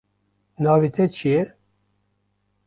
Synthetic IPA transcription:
nɑːvit̪ʰɛt͡ʃʰijɛ

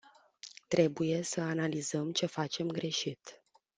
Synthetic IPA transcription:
t̪ɾe̞buje̞səanalizəmt͡ʃe̞fat͡ʃe̞mɡɾe̞ʃit̪

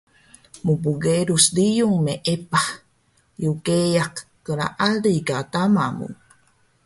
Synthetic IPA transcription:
mupuɡeɾusdijuŋmeʔepah | jukeakːəla̰ʔaliɡat̪amamṵ

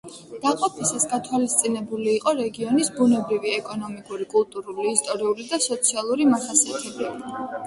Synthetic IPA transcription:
d̪̥aqʼɔpʰisasɡat̪ʰwalist̪sʼinɛbuliːqʼɔɾɛɡiɔnisbunɛbɾiviɛkʼɔnɔmikʼuɾikʼulˠt̪ʼuɾuliːst̪ʼɔɾiulid̪asɔt̪sʰialˠuɾimasasiat̪ʰɛbi

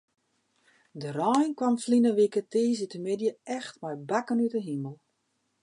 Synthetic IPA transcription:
dərɔjnkwamflinəʋikəteːz̬ətəmɪdjəɛxtmɛjbakənytəɦiməlˠ

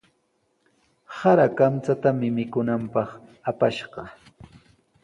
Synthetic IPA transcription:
saɾakamt͡sat̪amɪmɪkʊnampɑχapaʃɢɑ

